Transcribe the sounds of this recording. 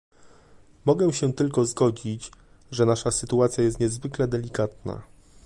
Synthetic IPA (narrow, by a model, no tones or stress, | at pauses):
mɔɡɛ̃ɕɛt̪ɘlkɔzɡɔd͡ʑit͡ɕ | ʐɛnaʂasɘt̪uat̪sʲjajɛst̪ɲɛzvɘklɛd̪ɛlʲikat̪̚na̰